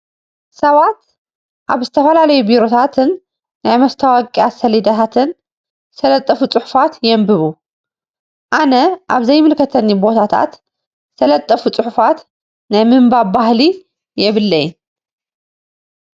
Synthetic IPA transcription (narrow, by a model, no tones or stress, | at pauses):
sɐβat̪ | ʔaβzɨt̪ʰɐfɐlalɐjubiɾo̞t̪ʰat̪ʰɨnː | ajmɐst̪ʰawakʼiasɐlid̪at̪ʰat̪ʰɨn | sɐlɐt̪ʼːɐfut͡sʼɨħʊ̥fat̪jɛmbɨβu | ʔanɐʔaβzɐjmɨlkʰɐt̪ʰɐnːibo̞t̪ʰat̪ʰa̰t̪ | sʰɐlɐt̪ʼːɐfut͡sʼɨħʊfat̪ | najmɨmbabahli | jɛβɨlːɐj